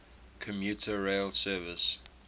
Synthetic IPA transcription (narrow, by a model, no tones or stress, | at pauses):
kʰɔ̃mjuˑtʰəɹeɪlsɜːvɪs